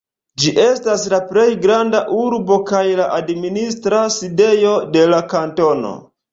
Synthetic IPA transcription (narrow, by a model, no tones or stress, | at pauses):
d͡ʒiʔe̞staslaple̞jɡɾandaʔuɾbo̞kajlaʔadministɾaside̞jo̞de̞lakanto̞no̞̰